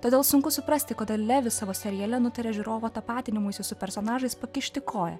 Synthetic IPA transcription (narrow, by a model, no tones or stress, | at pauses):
t̪oːd̪ʲeːlˠsʊŋkʊsʊpɾɐsʲt̪ʲɪkoːd̪ɐlʲæːʋʲɪsɑːʋoːsʲɛɾʲijɛlʲɛnʊt̪ʲɐɾʲeːʒʲɪɾoːʋoːt̪ɐpɑːt̪ʲɪnʲɪmʊɪsʲʊsʊpʲɛɾsoːnɑːʒɐɪspɐkʲɪʃʲt̪ʲɪkʰoːjɛ̰